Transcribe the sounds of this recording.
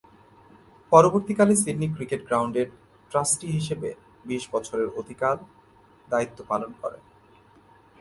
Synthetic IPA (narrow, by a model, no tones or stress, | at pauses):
pɔɾoboɾt̪ikalesiɖnikɾikeʈɡɾawɳɖeɾ | ʈɾasʈiɦiʃebe | biʃbɔt͡ɕʰoɾeɾod̪ʱikal | d̪ait̪ːopalonkɔ̰ɾḛ